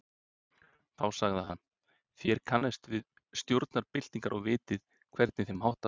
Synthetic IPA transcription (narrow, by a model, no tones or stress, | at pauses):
θawsaɣðaɦanː | θjɛɾ̥kʰanːɛst̪vɪð | st̪jowɾt̪naɾpɪl̥t̪iŋkaɾʔɔɣvɪːt̪ɪð | kʰvɛɾt̪nɪθɪnmhɦawht̪a